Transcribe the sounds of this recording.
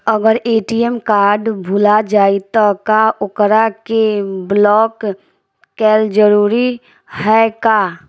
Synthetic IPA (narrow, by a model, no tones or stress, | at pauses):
əɡəɾeːʈijɛmkaːɾɖbʱʊlad͡ʒaːit̪akaʔʊkɾakeblɔːkː | ɛːld͡ʒəɾuːɾi | hɛka